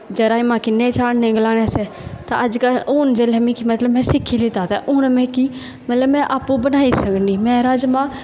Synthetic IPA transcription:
d͡ʒəɾaːimãːkɪnːẽːt͡ʃaːɽnẽːɡəlaːnẽːsɛː | t̪ã̰ːəd͡ʒkəlʊːnd͡ʒeːlɛːmĩːkimət̪ləbmɛ̃ːsɪkʰːiːlɪt̪aːt̪aːʔʊnmẽːkiː | mət̪ləbmɛ̃ːʔaːpũːbənaːiːsəkniːmɛ̃ːɾaːd͡ʒmãː

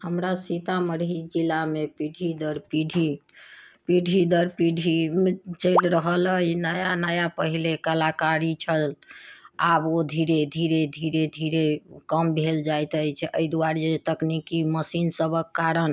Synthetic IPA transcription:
həmɾasit̪aməɾɦid͡ʒilːamepiɖʱid̪əɾpiɖʱi | piɖʱid̪əɾpiɖʱimet͡ʃəjlɾəɦələjnəjanəjapəɦilekəlakaɾit͡ʃʰəl | abod̪ʱiɾed̪ʱiɾed̪ʱiɾed̪ʱiɾekəmbʱeld͡ʒajt̪əjt͡ʃʰɛʔəjd̪uaɾd͡ʒet̪əknikiməsinsəbəkːaɾən

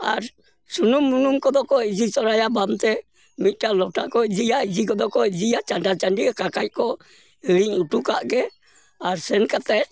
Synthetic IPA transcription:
aɾ | sunumːunumkɔd̪ɔkɔid͡ʒisɔɾajabamt̪ɛ | mit̪̚ˀʈalɔʈakɔid͡ʒijaid͡ʒikɔd̪ɔkɔid͡ʒijat͡ʃaɳɖat͡ʃaɳɖiɛkakac̚ˀkɔ | iɽiɲuʈukaʔɡɛ | aɾsɛnkat̪ɛt̚

